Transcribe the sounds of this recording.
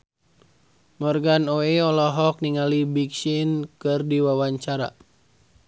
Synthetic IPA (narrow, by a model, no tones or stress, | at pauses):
mɔrɡanoeɔlɔɦɔk̚niŋalibiksinkɨrdiwawaɲt͡ʃaɾa̰